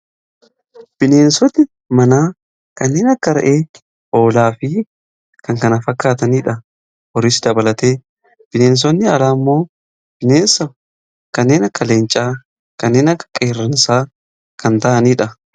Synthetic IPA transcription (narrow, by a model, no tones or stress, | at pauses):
b̥ɪne̞ːnsɔt̪ːɪ | mɐnaː | kɐnːe̞ːnɐkːɐɾɐ̰ʔeː | ʔoːlaːfɪ | kɐŋkɐnɐfɐkːaːt̪ɐniːᶑɐ | wɔɾɪsd̪ɐbɐlɐt̪eː | b̥ɪne̞ːns̬ɔnːɪɐlaːmːo̞ː | b̥ɪneːnsɐ | kɐnːe̞ːnɐkːɐle̞ːnt͡ʃʼaː | kɐnːeːnɐkːɐ̥kʼːeːrːɐnsaː | kɐnt̪ɐʔɐniːᶑɐ